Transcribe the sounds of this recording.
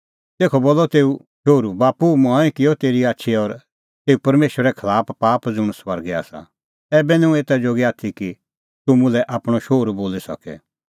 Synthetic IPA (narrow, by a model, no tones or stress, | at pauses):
t̪eːkʰɔboːlɔt̪eːu | ʃoːɾubaːpumãːĩkɪjɔt̪eːɾiaːtːʃʰiɔɾ | t̪eːupɐɾmeːʃəɾɛkʰɐlaːppaːpd͡zʊ̃ɽ̃sʋɐɾɡɛa̰ːsa̰ | ɛːbɛnɛ̃ũeːt̪ad͡ʒoːɡɛaːt̪ʰiki | t̪ʊmʊ̃lɛʔaːpɽ̃ɔʃoːɾuboːlisɐ̰kɛ̰